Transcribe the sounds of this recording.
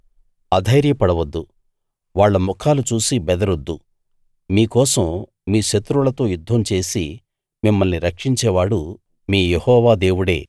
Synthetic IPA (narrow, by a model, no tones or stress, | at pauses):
ɐd̪ʱɐjɾjɐpɐɽɐʋɐd̪ːu | ʋaːɭːɐmɔkʰaːlut͡ʃuːsibɛd̪ɐɾod̪ːu | miːkɔːsɐmː | iːʃɐt̪ɾulɐt̪o̞ːjud̪ʱːɐmt͡ʃe̞ːsi | mimːɐlniɾɐkʂiɲt͡ʃɛːʋaːɽu | miːjehɔːʋaːd̪e̞ːwuɽe̞̰ː